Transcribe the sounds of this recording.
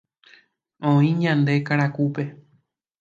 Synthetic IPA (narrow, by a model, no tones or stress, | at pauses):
õĩɲãnd̪e̞kaɾakupe̞